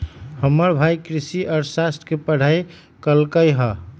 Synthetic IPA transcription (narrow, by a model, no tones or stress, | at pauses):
həmːəɾbʱajkɾisiʔɔɾsasʈʰkepəɽ̤aj | kəlkəjɦə